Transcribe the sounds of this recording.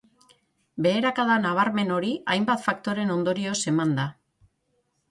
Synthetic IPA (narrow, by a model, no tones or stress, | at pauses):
be̞ːɾakaðanaβ̞aɾme̞no̞ɾiʔajmbat̪fak̚t̪o̞ɾe̞no̞nd̪o̞ɾio̞se̞mand̪a